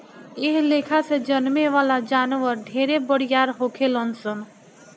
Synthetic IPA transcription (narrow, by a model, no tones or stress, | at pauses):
ɪɦleːkʰased͡ʒənmeʋaːlad͡ʒaːnʋəɾɖʱeːɾebəɽjaːɾɦoːkʰelənsən